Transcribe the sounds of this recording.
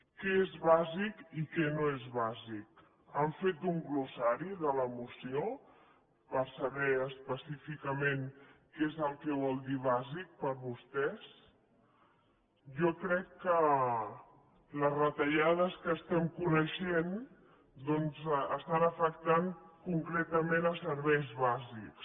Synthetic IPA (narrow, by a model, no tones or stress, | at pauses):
kɛezβazikikɛnoezβazik | aɱfet̪̚d̪uŋɡlusaɾiðələmusio | pəɾsəβɛəspəsifikəmenkezəlˠkɛβ̞ɔlˠd̪iβ̞azik̚pəɾβust̪ɛs | ʒɔkɾɛkːə | ləzrət̪əʎaðəskəːst̪ɛmkunəʃen | d̪ɔnzəst̪anəfəkt̪aŋkuŋkɾɛt̪əmenəsəɾβɛjzβaziks